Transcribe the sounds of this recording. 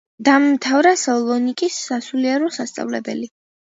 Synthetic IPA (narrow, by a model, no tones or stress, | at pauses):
d̪̥ammt̪ʰavɾasɔlˠɔnikʼisːasuliaɾɔsast̪sʼa̰vlɛbɛ̰li